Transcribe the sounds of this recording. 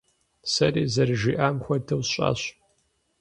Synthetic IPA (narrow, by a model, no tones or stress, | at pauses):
sɐɾiːzɐrɨʒiːʔaːmxʷɔtʰɐwɕʼa̰ːɕ